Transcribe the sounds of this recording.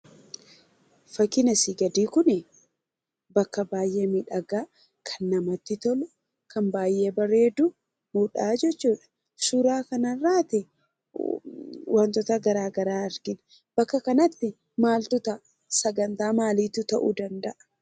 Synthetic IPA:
fɐkːɪnɐsiɡɐd̪iːkʊnɪ | bɐkːɐbaːjʔe̞ːmɪᶑɐɡaː | kʰɐnːɐmɐt̪ːɪt̪ɔlʊ | kɐnbaːjʔe̞ːbɐɾe̞ːd̪ʊ | muːᶑaːd͡ʒɛt͡ʃːuːᶑɐ̥ | suɾaːkɐnɐrːaːt̪ɪ | wɐnt̪ɔt̪ɐɡɐɾaːɡɐɾaːɐɾɡɪn | b̥ɐkːɐkɐnɐt̪ːɪ | maːlt̪ʊt̪ɐ | sɐɡɐnt̪aːmaːliːt̪ʊt̪ɐʔʊ̰d̪ɐnd̪ɐʔɐ̥

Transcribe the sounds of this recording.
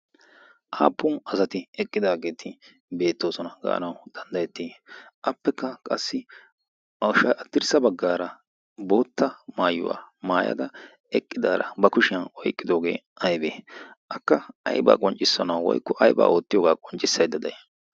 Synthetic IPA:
ʔaːpːʊnɐsɐt̪ɪɛkʼːɪd̪aːɡe̞ːt̪ʰɪ | be̞ːt̪ːo̞ːsɔnɐɡɐ̰ʔɐ̰nɐwd̪̥ɐnd̪ɐjɛt̪ːiːʔɐpːɛkːɐkʼɐsːɪ | mɐwʃɐʔɐt̪ːɪɾsɐbɐɡːaːɾɐ | bo̞ːt̪ːɐmaːjːʊ̰wa̰ːmaːjɐ̰d̪ɐ | ɛkʼːɪd̪aːɾɐ̰bɐkʊʃɪjɐnɔjkʼːɪd̪o̞ːɡe̞̰ːɐjbeːʔɐkːɐɐ̰jba̰ːkʼɔnt͡ʃʼːɪsːɔnɐwwɔ̰jkːɔʔɐjba̰ːʔo̞ːt̪ːɪjoːɡa̰ːkʼɔnt͡ʃʼːɪsːɐjd̪ɐd̪ɐj

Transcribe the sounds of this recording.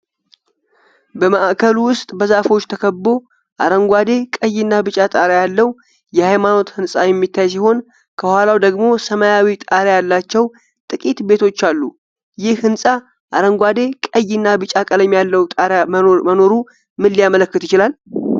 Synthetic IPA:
bəmaʔakʰəluwʊst̪ʼbəzafo̞t͡ʃːt̪ʰəkʰəbo̞ | ʔa̰ɾəŋɡʷad̪e̞kʼəjːɪnːabɨt͡ʃʼat̪ʼaɾajalːəw | jɛhajmano̞t̪hɨnsʼajɛmːit̪ʰːajs̬iho̞n | kʰəhwalawd̪əɡmo̞səmajawit̪ʼaɾejalːat͡ʃːɛw | t̪ʼɨkʼit̪be̞t̪ʰo̞t͡ʃːalːu | jɪhhɨnsʼa | ʔa̰ɾəŋɡʷad̪e̞kʼəjːɪnːabɨt͡ʃʼakʼələmjalːəwt̪ʼaɾaməno̞ɾu | mɨlːijamələkːɨt̪jɪt͡ʃɪlal

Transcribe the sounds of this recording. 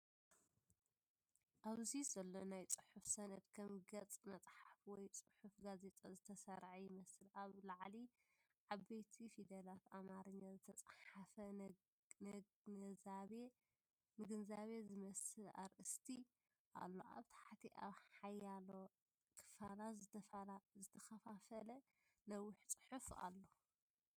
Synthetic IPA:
ʔaβzizɐlːo̞najt͡sʼɨħufsɐnɐd̪kʰɐmɡɐt͡sʼnɐt͡sʼħafwɔjt͡sʼɨħufɡaze̞t̪ʼazɨt̪ʰɐsɐɾʕajɪmɐsɨlʔaβlaʕli | ʕaβejt̪ʰifid̪elat̪amaɾɨɲːazɨt̪ʰɐt͡sʼħafɐ | nɐzaβe | nɨɡɨnzaβe̞zɨmɐsɨla̰ɾʔɨst̪ʰi | ʔa̰lːoʔa̰βt̪ʰḁħt̪ʰiʔa̰βħajalo | kʰɨ̥falazɨɐzɨt̪ʰɐxɐfafɐlɐ | nɐwːʊħt͡sʼɨ̥ħufa̰lːo

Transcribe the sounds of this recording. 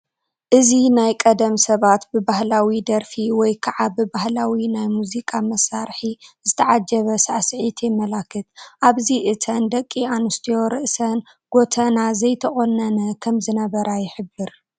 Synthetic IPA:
ʔɨzinajkʼɐd̪ɐmsɐβat̪bɨbahlawid̪ɐɾfiwɔjkʰaʕabɨbahlawinajmuzikʼamɐsaɾħiz̥ɨt̪ʰɐʕad͡ʒɐβɐsaʕasɨʕit̪ʰjɛɛmːɐlakʰːɨt̪̚ʔaβziʔɨt̪ʰɐnd̪ɐkʼːianɨst̪ʰijo̞ɾɨʔsɐn | ɡ̥o̞t̪ʰɐnazɐjt̪ʰɐχʼonːɐnɐkʰɐmzɨnɐβɐɾajɪħɨbɨɾ

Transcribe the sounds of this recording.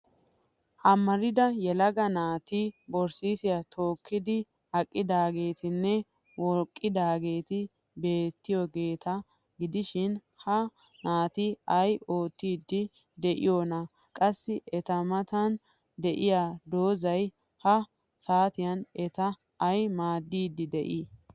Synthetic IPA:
ʔɐmːɐɾɪd̪ɐjɛlɐɡɐnaːt̪ibɔɾsiːsɪjɐt̪ʰoːkʰːɪd̪ɪ | hɐkʼːɪd̪aːɡe̞ːt̪ɪnːɛ | wɔkʼːɪd̪aːɡe̞ːt̪ɪ | be̞ːt̪ːɪjɔɡe̞ːt̪ɐ | ɡɪd̪ɪʃɪn | hɐ | naːt̪ɪɐjo̞ːt̪ːiːd̪ːɪ | d̪ɛʔɪ̰joːnɐ | kʼɐsːɪʔɛt̪ɐmɐt̪ɐn | d̪ɛʔɪjaːd̪o̞ːzɐj | hɐ | saːt̪ɪjɐnɛt̪ɐ | ɐjmaːd̪ːiːd̪ːɪd̪ɛʔi

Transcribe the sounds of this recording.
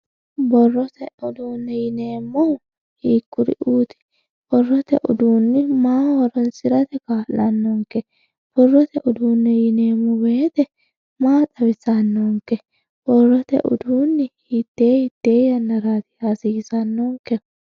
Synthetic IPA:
bɔrːɔt̪ɛʊd̪uːnːɛjɪneːmːɔw | hiːkːʊɾɪ̰ʔuːt̪ɪ̥ | b̥ɔrːɔt̪ɛʔʊd̪uːnːɪmaːwɔɾɔnsɪɾɐt̪ɛkaːlːɐnːɔŋkɛ | b̥ɔrːɔt̪ɛʔʊd̪uːnːɛjɪneːmːɔbeɛt̪ɛ | maːt̪ʼɐbɪsɐnːɔŋkɛ | b̥ɔrːɔt̪ɛ̰ʔʊd̪uːnːɪhɪt̪ːe̞ːhɪt̪ːe̞ːjɐnːɐɾaːt̪ɪ̥hɐsiɡsɐnːɔŋkɛ

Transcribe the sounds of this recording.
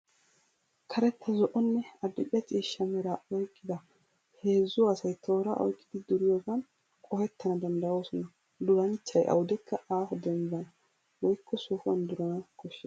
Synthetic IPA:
kʰɐɾɛt̪ːɐzɔʔɔnːɛɐd̪ɛpʼɪjɐt͡ʃʼiːʃːɐmɛɾɐɔjkʼːɪd̪ɐ | he̞ːzːʊwasɐjt̪ʰo̞ːɾɐʔɔ̰jkʼːɪd̪ɪd̪ʊɾɪjoːkɐn | kʼɔhɛt̪ʰːɐnɐd̪ɐnd̪ɐwoːsɔnɐ | d̪ʊɾɐnɪt͡ʃːɐjʔɐ̰wʊd̪ɛkʰːɐʔaːfɔd̪ɛnd̪ɐnɐ | wɔjkʰːɔsuːfʊwɐ̰nd̪ʊɾɐnɐkʰɔʃːɐ

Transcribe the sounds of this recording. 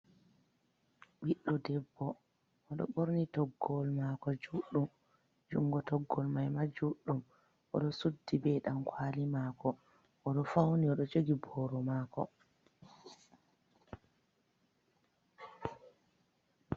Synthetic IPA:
wiɗːɔdɛbːɔ | ʔɔɗɔ̰ɓoɾnitɔɡːɔlmakɔd͡ʒuɗːum | d͡ʒṵŋɡɔtɔɡːɔlmajmad͡ʒuɗːum | ʔɔ̰ɗɔsudːibɛɗamkʰwalimaːkɔ | ʔɔɗɔfawniɔɗɔd͡ʒoɡibɔːɾɔmaːkɔ̰

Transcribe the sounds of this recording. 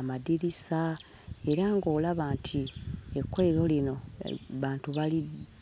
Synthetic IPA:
madiɾisa | e̞ɾaŋɡoːlaβaːntʰiekweːɾo̞lino̞βaːntuβali

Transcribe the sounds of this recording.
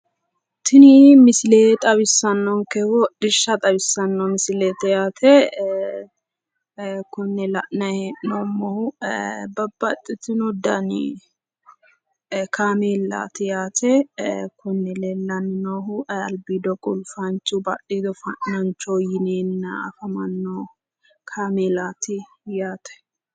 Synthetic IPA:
t̪ʰɪnɪmɪsɪleːt̪ʼɐβɪsːɐnːɔŋkɛwɔᶑɪʃːɐt̪ʼɐβɪsːɐnːɔmɪsɪleːt̪ɛjaːt̪ʰɛ | kʊnːɛlɐʔnɐhɛʔnɔmːɔhʊbɐbːɐt̪ʼːɪt̪ɪnɔd̪ɐn̰ | kaːmeːlːa̰ːt̪ɪjaːt̪ʰɛkʊnːɛlɛlːɐnnɔɦʊɐlbiːd̪ɔkʼʊ̰lfɐnt͡ʃːʊbɐɗːid̪ɔfɐʔnɐnt͡ʃːojɪneːnːɐɐ̰fɐmɐnːo | kʰaːmeːlaːt̪ɪ | jaːt̪ʰɛ̥

